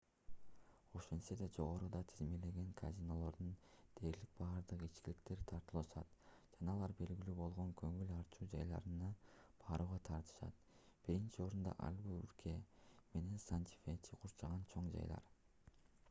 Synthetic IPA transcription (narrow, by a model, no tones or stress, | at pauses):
o̞ʃensed̪ed͡ʒo̞ʁo̞ɾud̪ɑt̪ʰizme̞le̞ɡeŋkʰa̰zʲino̞lˠo̞ɾd̪und̪̥e̞ːɾlik̚bɑːɾd̪ɯqit͡ʃkilikt̪e̞ɾt̪ʰɑɾt̪ɯlˠɑʃɑt̪d͡ʒɑnɑːlˠɑɾbe̞lɡilyːbo̞lˠʁoŋkʰø̞ŋylʲɑɾt͡ʃuːd͡ʒɑ̰jlˠɑ̰ɾɯnɑb̥ʰɑːɾuːʁɑt̪ʰɑɾt̪ɯ̥ʃɑ̰t̪b̥iɾint͡ʃio̞ɾund̪ɑ̰ʔɑ̰lʲɡuy̰ɾkʰe̞me̞ne̞nsant̪ʲi̥fet̪ʰiqʰuɾt͡ʃɑʁɑnt͡ʃʰo̞ɴd͡ʒɑ̰jlˠɑ̰ɾ